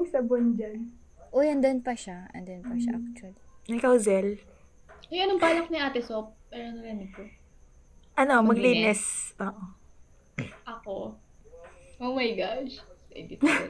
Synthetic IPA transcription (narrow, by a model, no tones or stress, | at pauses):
sɐbond͡ʒan | ʔojɐnd̪onpɐʃaʔɐ̰nd̪onpɐʃa̰ʔak̚t̪wɐlinɐɪkawzɛl | ʔɐɐnoŋpaːlɐk̚niʔaːt̪ɛsop̚pɛɾonɐɡɛnɪpo | ʔɐno̞mmɐɡliːnɛsɐʔo | ʔɐko | ʔowmɐjɡaʃɛ̰d̪it̪